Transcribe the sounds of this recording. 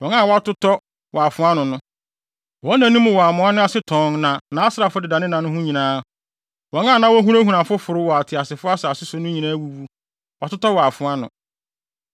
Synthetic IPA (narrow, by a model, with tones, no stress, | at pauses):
wɔ̃˨˦n˦ã˦˨wɔ˦a˦tʊ˦tɔ˦ | wʔɔ˨a˨fʊ̃˨˦a˦nʊ̃˨nʊ̃˦ | wɔ̃˨˦nã˨nĩ˦mʊ̃˨wɔ˨a˨mʊ̃˨˦a˦nʊ̃˦a˦sɪ˦tʰɔ̃˨˦ŋnã˨nãː˨a˦sa˨fʊ˦dɪ˨da˨nɪ̃˦nã˨nʊ̃˦ɦʊ̃˦ɲĩ˨nãː˦ | wɔ̃˨ŋã˦˨nã˦wɔ˦ɦũ˦ɾæ˦ɦũ˨ɾã˨fʊ˦fʊ˨ɾʊ˦wɔ˨a˨tʰɪ˨a˨sɪ˨fʊ˦a˦sɛ˨a˨sɪ˦sʊ˦nʊ̃˦ɲĩ˨nãː˦wu˦bu˦ | wʔa˨tʊ˦tɔ˦wɔ˨a˨fʊ˨˦a˦nʊ̰̃˨